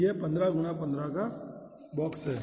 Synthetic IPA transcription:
eːpɐ̃nd̪ɾaɡʊnapɐ̃nd̪ɾaka | bɔːksɦɛː

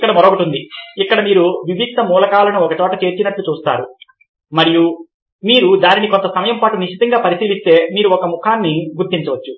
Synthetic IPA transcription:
ikːɐɽɐmɐɾoːkɐʈund̪iikːɐɽɐmiːɾuʋibʱid̚d̪ʱːɐmuːlɐkaːlɐnuɔkɐt͡ʃɔːʈɐt͡ʃe̞ːɾt͡ʃinɐʈlut͡ʃuːst̪a̰ːɾu | mɐɾiju | miːɾud̪aːninikont̪ɐsɐmɐjɐmpaːʈuniʂit̪ɐŋɡaːpɐɾisiːlist̪e̞ːmiːɾuɔkɐmukʰaːnːiɡuɾt̪ːiɲt͡ʃɐʋɐt͡ʃːu

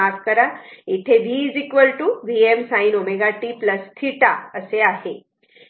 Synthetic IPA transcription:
afkəɾait̪ʰeʋiːd͡zikʋəlʈuʋiemsainomeɡaʈipləst̪ʰiʈaəseaɦe

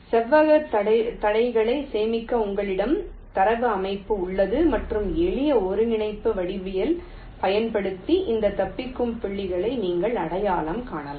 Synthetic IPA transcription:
sɛʋːɐɣɐɐɐt̪ɐɽɐɪɣɐɭɐɪseːmɪkːɐʊŋɡɐɭɪɽɐm | t̪ɐɾɐʋɯɐmɐɪpːɯʊɭːɐðɯmɐʈrɯmɛɭɪjɐɔɾɯnɪɳɐɪpːɯʋɐɽɪʋɪjɪl | pɐjɐnpɐɽɯt̪ːiʔɪnd̪ɐt̪ɐpːɪkːɯmpɪɭːɪɣɐɭɐɪniːŋɡɐɭɐɽɐjaːɭɐmkaːɳɐlɐ

